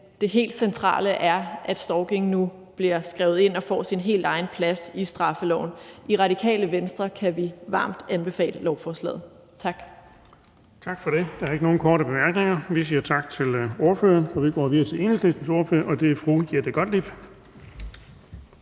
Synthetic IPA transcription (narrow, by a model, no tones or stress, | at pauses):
d̥e̝ɦe̝̰ːld̥sent͡sʰʁɑ̰̈ːləʔæɐʔæd̥sd̥ɒʊɡ̥e̝ŋnu | b̥liɐ̰sɡ̥ʁɛʊð̞̩ˠe̝n̰ɒ̽fɒ̰ːsinɦe̝̰ːld̥ɑ̈ɪn̩pʰlæsisd̥ʁɑ̈fəlɒʊn̩iʁɑ̈ɾikʰɛ̰ːləʋensd̥ʁɐkʰæʋiʋɑ̰̈ːm̰d̥ænb̥e̝fɛ̰ːləlɒʊfɒːslɛ̰ːð̩ˠ | t͡sʰɑ̈ɡ̥ | t͡sʰɑ̈ɡ̥fɒ̽ɾ̥e̝d̥ɑ̈æɐe̝ɡ̥əno̝ːn̩kʰɒːɾəb̥e̝mæɐɡ̥ne̝ŋɐʋisiːɐt͡sʰɑ̈ɡ̥̚t͡sʰe̝lo̝ɐføɐnfɒʋiɡ̥ɒ̰ːʋiðˠɐt͡sʰe̝le̝ːneslesn̩so̝ɐfø̰ɐʔɒ̽d̥e̝æfʁuɡ̥ieɐd̥eɡ̥ɒ̽d̥lib̥